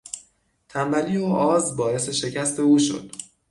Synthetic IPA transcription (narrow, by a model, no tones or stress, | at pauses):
t̪ʰænbæliːoʔɒːzbɒːe̞se̞ʃe̞cʰæst̪ʰe̞uːʃo̞̰d̪̥